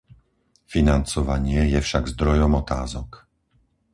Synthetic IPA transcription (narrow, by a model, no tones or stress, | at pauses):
finant͡sɔʋaɲɪɛjɛfʃaɡzd̪ɾɔjɔmɔt̪aːzɔk